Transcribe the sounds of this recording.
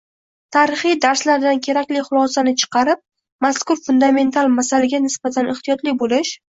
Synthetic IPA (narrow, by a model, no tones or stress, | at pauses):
t̪ʰaːɾɪχijd̪aɾslaɾd̪ankʲʰe̞ɾakʲlɪχʊlˠɒsanɪt͡ʃʰɨ̥qʰɑɾɪp̚ | maskʊɾfʊnd̪ame̞nt̪ʰalˠmasalaɡʲanɪsbat̪ʰanɪχt̪ijɒt̪lɪbolɪʃ